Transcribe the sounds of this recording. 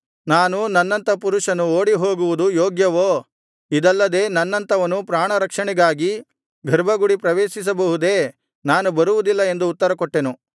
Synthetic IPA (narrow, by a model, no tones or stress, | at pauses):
naːnunɐnːɐnt̪ɐpuɾuʂɐnuoːɽiɦoːɡuʋud̪ujoːɡjɐʋoː | id̪ɐlːɐd̪e̞ːnɐnːɐnt̪ɐʋɐnupɾaːɳɐɾɐkʂɐɳiɡaːɡi | ɡʱɐɾbʱɐɡuɽipɾɐʋeːʃis̬ɐbɐɦud̪e̞ː | naːnubɐɾuʋud̪ilːɐe̞nd̪uːt̪ːɐɾɐkɔʈːe̞nu